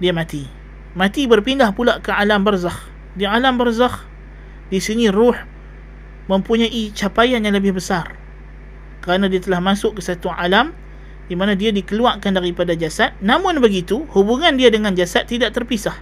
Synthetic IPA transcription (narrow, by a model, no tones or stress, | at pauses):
diamãt̪i | mat̪ibərpindahpulaʔkəalambərzah | dialambərzah | disinĩrʊħ | mə̃mpuɲaʔit͡ʃapajanjaŋləbɪhbəsar | kəɾanadiat̪əlahmasʊʔkːəsat̪uʔalam | dimanadiadikəluaʔkandaɾipadad͡ʒasat̪̚namʊnbəɡit̪uhubuŋandiadəŋand͡ʒasat̪ːidaʔt̪ərpisah